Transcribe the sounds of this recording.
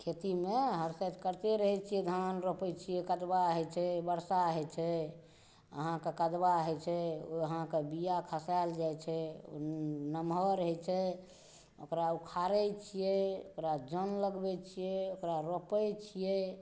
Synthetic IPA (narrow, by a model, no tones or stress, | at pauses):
kʰet̪imeɦəɾsajd̪kəɾt̪eɾəɦɛt͡ʃʰijɛd̪ʱanɾopɛt͡ʃʰijɛkəd̪baɦɛt͡ʃʰɛbəɾsaɦɛt͡ʃʰɛ | ə̰ɦãkekəd̪baɦɛt͡ʃʰɛoəɦãkebijakʰəsald͡ʒajt͡ʃʰɛo̰nəmɦɔɾəɦɛt͡ʃʰɛ | okɾaukʰaɾɛt͡ʃʰijɛokɾad͡ʒənləɡbɛt͡ʃʰijɛokɾaɾopɛt͡ʃʰijɛ